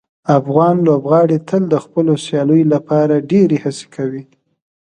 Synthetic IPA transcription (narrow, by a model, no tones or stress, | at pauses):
afɣɑnlobɣɑɽet̪əld̪əxpəlosjɑləjolapɑɾaɖeɾehase̥kʰawi